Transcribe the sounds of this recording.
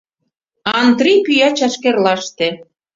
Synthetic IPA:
ɑnd̪ripyjɑt͡ɕɑʃkerlɑʃt̪ĕ

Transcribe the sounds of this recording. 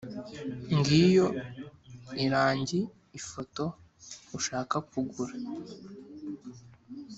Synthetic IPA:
ŋɡijo̞ | iɾaːɲɟiː | fo̞to̞ | uʃaːkakuɡuɾa

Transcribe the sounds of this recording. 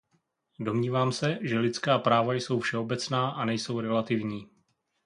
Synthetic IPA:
do̞mɲiːvaːmsɛʒɛlɪt͡skaːpɾaːvajso̞wfʃɛo̞bɛt͡snaːʔanɛjso̞wɾɛlat̪ɪvɲiː

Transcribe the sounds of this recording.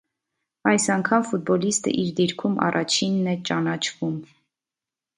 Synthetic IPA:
ɑjsɑŋkʰɑmfut̪̚bɔlist̪ə̰ʔiɾd̪iɾkʰumʔɑ̰rʔɑt͡ʃʰinːɛt͡ʃɑnɑt͡ʃʰvum

